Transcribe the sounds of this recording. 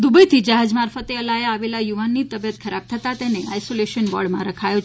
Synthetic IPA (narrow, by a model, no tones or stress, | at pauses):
d̪ubəjt̪ʰid͡ʒaɦad͡ʒmaɾfət̪eəlajaaʋelajuʋanːit̪əbjət̪̚kʰəɾab̚t̪ʰət̪at̪eneajsoleʃənbɔ̰ɽmãɾəkʰajo